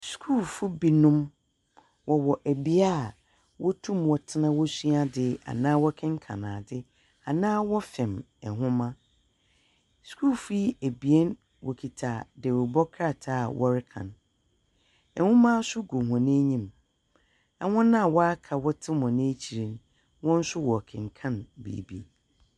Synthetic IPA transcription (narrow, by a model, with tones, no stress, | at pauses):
su̥˨kʰu˦˨fu˦bi˨nʊ̃˦m | wɔ˨wɔ˨ʔæ˨bi˦a˦˨ | wɔ˦tʰũ˦mwɔ˨tʰɪ˦nã˦wɔ˦su˦a˦dɪ˦a̰˨nãː˦wɔ˦kʰɛ̃˦ŋ̩˦kʰã̰˨nã̰ː˨dɪ˦ | a˨nãː˦wɔ˦fɛ̃˨m | ɛ˨ɦʊ̃˦mã˦ | su̥˨kʰu˦fu˦æ˨bi˨ɛ˦n | wɔ̰˨kʰi˨tʰa˨de˨ɾʊ˨bɔ˦kʰɾa˦˨tʰaː˦˨wʔɔ˦ɾɪ˦kʰã̰˨n | ɛ˨hʊ̃˦mã˦sʊ˦ɡo˨ɦɔ̃˨nẽ˦ɲĩ˦m | a˨wɔ̃˦nã˦˨wɔ˦a˦kʰa˨wɔ˦tʰɪ̃˦m˨ɔ̃˨nɪ̃˦t͡ɕʰi˨ɾĩ˨n | wɔ̃˦n̩˦sʊ˦wɔ˨kʰɪ̰̃˨ŋ˨kʰã˦˨nbḭː˨bi˨